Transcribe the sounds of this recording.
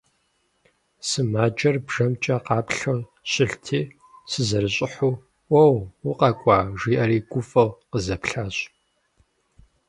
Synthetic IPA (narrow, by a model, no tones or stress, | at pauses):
sɨmaːd͡ʒʼɐrbʒ̥ɐmt͡ʃʼɐqɑːpɬɐw | ɕɪɬtʰiː | sɨzɐɾɨɕʼɪħuː | wɐwʊqɐkʷʼɑːʒiːʔɐɾiːɡʷʊfʼɨwqəzɐpɬaːɕʼ